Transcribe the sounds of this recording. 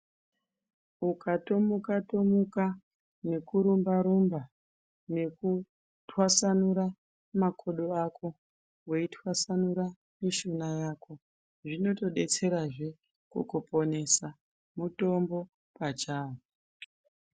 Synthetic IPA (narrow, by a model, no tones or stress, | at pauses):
ukato̞mukato̞muka | ne̞kuɾumbaɾumba | ne̞ku | tʰwasanuɾa | makʰo̞ɗoakʰo̞ | weitwasanuɾa | miʃonajaːko̞ | ʐino̞to̞ɗe̞t͡se̞ɾaʐe̞ | kṵkopo̞ne̞sa | muto̞mbo̞ | pat͡ʃaːwo